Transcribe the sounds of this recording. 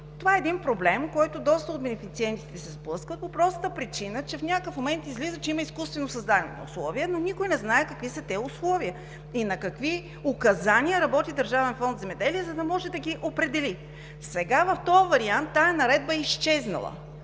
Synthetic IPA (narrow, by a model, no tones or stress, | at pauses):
t̪ovaɛːd̪inpɾoblɛmkɔjt̪ʊd̪ɔst̪əot̪̚bɛnɛfit̪siɛnt̪it̪ɛsɛzblˠɤskət̪̚popɾɔst̪ət̪əpɾit͡ʃinət͡ʃɛfnʲakəkəfmomɛnt̪izlizət͡ʃɛiməiskust̪vɛnosɐzd̪ad̪nɛ̰nɐ̰ṵslˠɔviənonʲikʊjnɛznaɛkɐkvisɐt̪ɛʊslˠɔviə | inɐkɐkvi | ʊkɐzanʲiəɾɐbɔt̪id̪ɐɾʒavɛnfɔnd̪zɛmɛd̪ɛliɛzɐd̪ɐmɔʒɛd̪ɐɡʲiʔopɾɛd̪ɛli | sɛɡavɐft̪ɔjvɐɾiant̪ːaɐnɐɾɛd̪̚bəist͡ʃɛznɐ̰lˠə̰